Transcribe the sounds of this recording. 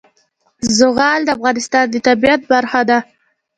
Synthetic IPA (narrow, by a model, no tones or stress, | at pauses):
zʊɣɑld̪əafɣɑnɪst̪ɑnd̪ət̪abijat̪̚baɾxad̪a